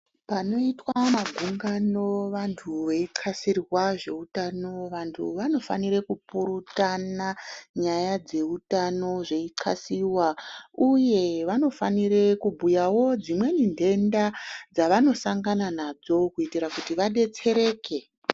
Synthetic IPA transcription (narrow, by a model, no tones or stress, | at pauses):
pano̞itwamaɡʱuŋɡano̞ʋantʰuʋe̞iǀʰasirwaʐe̞utano̞ʋantʰṵʋano̞fa̰nirekupuɾutanaɲajad͡ze̞utano̞ʐe̞iǀa̰siwauje̞ʋano̞fanirekubʱujawo̞d͡zimwe̞nindʱe̞ndad͡zaʋano̞saŋɡananad͡zo̞kuitiɾakutiʋaɗe̞t͡se̞ɾe̞ːke